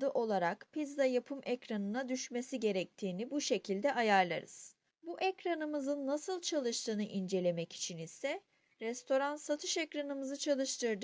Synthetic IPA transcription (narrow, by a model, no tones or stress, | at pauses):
d̪ɯʔo̞lˠaɾakpʰizd̪ajapʰɯmʔɛcɾanɯnad̪yʃme̞siɟe̞ɾɛc̚t̪ʰiːnibuʃe̞cʰilʲd̪ɛʔajaɾlˠaɾɯ̰z̥ | buʔɛcɾanɯmɯzɯnːasɯlˠt͡ʃʰalˠɯʃt̪ʰɯːnɯʔind͡ʒe̞lʲe̞mɛci̥t͡ʃʰinisɛ | ɾɛst̪ʰo̞ɾansat̪ʰɯʃɛcɾanɯmɯzɯt͡ʃʰalˠɯʃt̪ʰɯɾd̪ɯ